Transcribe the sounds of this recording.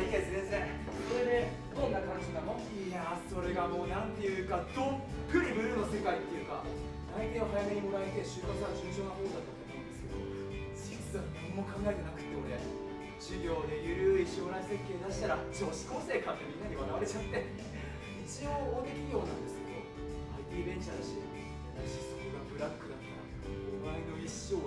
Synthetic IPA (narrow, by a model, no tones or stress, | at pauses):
ikesɨd̪e̞sɨne | so̞ɾe̞d̪e̞ | d̪õ̞nːakaɾaɕinamo | jaso̞ɾe̞ɡamo̞ːnãnt̪e̞jɯ̟kad̪̥opːɯ̟ɲ̟ibɯ̟ɾɯ̟no̞se̞kait̪ːe̞jɯ̟ka̰ | ait̪eoɦajame̞ɲ̟imo̞ɾae̞t̪e̞ɕɨːkat͡sɨβad͡ʑɨːʑo̞ːnaɦo̞ːd̪at̪oːmoːmo̞ɯ̃nd̪e̞sɨ̥kḛd̪o̞̰ | d͡ʑisanãmːo̞kʰãŋɡae̞t̪e̞nakɯ̟̥t̪ːe̞o̞ɾe̞ | ɕɨɡʲo̞ːd̪e̞jɯ̟ɾɯ̟iɕo̞ːɾaise̞kːe̞ːd̪aɕi̥t̪aɾat͡ɕoːɕi̥koːse̞ːkãnt̪emʲĩnːaɲʲiβanaβaɾe̞t͡ɕat̪ːe̞ | it͡ɕiooːd̪ekʲiɡʲo̞ːnã̰nd̪e̞sɨ̥ke̞d̪o̞̰ | ait̪ʲiːbẽ̞ɲ̟t͡ɕaɾɯ̟ɕi | at̪ɕi̥so̥koɡa̰bɯ̟ɾakːɯ̟at̪ːaɾ | omaeno̞iɕːo̞ː